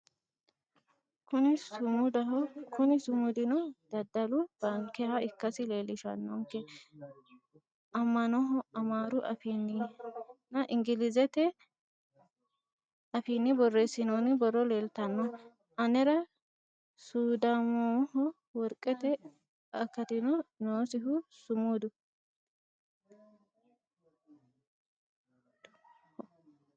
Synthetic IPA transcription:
kʊnɪsʊmʊd̪ɐɦɔkʰʊnɪsʊmʊd̪ɪnɔd̪̥ɐd̪ːɐlʊb̥ɐŋkːɛhɐɪkːɐsɪle̞ːlɪʃɐnːɔŋkːɛ | ʔɐmːɐnɔɦɔɐmaːɾʊʔɐ̰finːɪnɐʔɪŋɡɪlɪzɛt̪ɛ | ɐfiːnːɪbɔrːeːsɪnoːnɪbɔrːɔleːlt̪ɐnːɔ | ɐnɛɾɐ | suːd̪aːmɔhɔ | wɔɾkʼːɛt̪ɛ | ɐkːɐt̪ɪnɔnoːsɪɦʊsʊmuːd̪ʊ

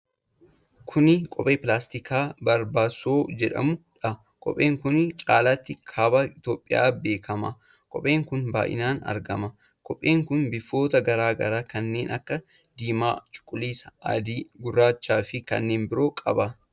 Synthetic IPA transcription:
kʰʊnɪkʼɔpʼeːpɪlaːst̪ɪkaːbɐɾbaːsoːd͡ʒɛᶑɐ̰mʊᶑɐ | kʼɔ̰pʼːe̞ːŋkʊnɪt͡ʃʼaːlat̪ːɪkʰɐbɐɪt̪oːpʼːɪja̰ːbe̞ːkʰɐmɐ | kʼɔpʼeːŋkʊnba̰ːʔɪ̰naːnɐ̰ɾɡɐmɐ | kʼɔpʼːeːŋkʊnbɪfːo̞ːt̪ɐɡɐɾaːɡɐ̰ɾaːkɐnːe̞ːnʔɐkːɐ | d̪iːma̰ːt͡ʃʼʊ̥kʼːʊliːsɐɐ̰d̪iɡʊrːaːt͡ʃːaːfɪkɐ̰nːe̞ːnbɪɾo̞ːkʼɐbɐ

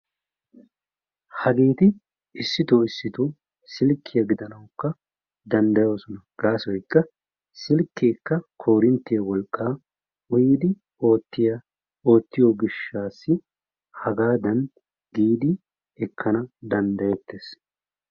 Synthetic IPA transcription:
hɐɡeːt̪ɪ | ɪsːɪt̪oɪsːɪt̪u | sɪlkʰːɪjɐɡɪd̪ɐnɐwkːɐ | d̪ɐnd̪ɐjoːsɔnɐɡ̥aːsɔjkːɐ | sɪlkːeːkːɐkʰo̞ːɾɪnt̪ːɪjɐwɔlkʼːaː | ʊjd̪ɪ | oːt̪ːɪjɐ | o̞ːt̪ːɪjoːɡɪʃːaːsːɪ | hɐɡaːd̪ɐn | ɡiːd̪ɪ | ɛkːɐnɐd̪ɐnd̪ɐjɛt̪ːeːs

